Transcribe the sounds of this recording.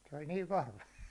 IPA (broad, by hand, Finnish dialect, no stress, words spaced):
se olʲ niːʋ ʋɑhʋɑ